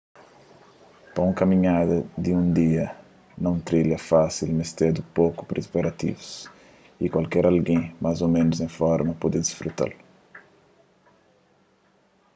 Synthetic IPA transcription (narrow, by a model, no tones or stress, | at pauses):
pɐũŋkɐmĩɲad̪ɐd̪iũnd̪iɐ | nɐ̃w̃t̪ɾiljɐfasilmist̪ed̪upoku̥pɾespaɾat̪ḭvus | ikwalkɛɾʔalɡẽmazomẽnuzẽfɔɾmɐpod̪ed̪isfɾut̪a̰l